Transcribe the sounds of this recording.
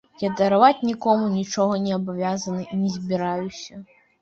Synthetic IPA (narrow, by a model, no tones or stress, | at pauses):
jad̪ɐɾavat͡sʲnʲikɔmunʲit͡ʂɔɣɐnʲɛɐbavʲazɐnɨinʲɛzʲbʲiɾajusʲɐ